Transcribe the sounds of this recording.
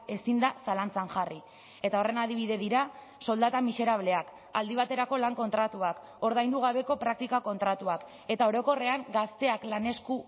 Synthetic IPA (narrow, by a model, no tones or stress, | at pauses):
e̞sind̪asalant͡saŋʝari | e̞t̪ao̞re̞naðiβ̞iðe̞ðiɾa | so̞ld̪at̪amise̞ɾaβle̞ak | ald̪iβ̞at̪e̞ɾako̞laŋko̞nt̪ɾat̪uak | o̞ɾðajnd̪uɣ̞aβ̞e̞ko̞pɾak̚t̪ikako̞nt̪ɾat̪uak | e̞t̪ao̞ɾo̞ko̞re̞aŋɡast̪e̞aklane̞sku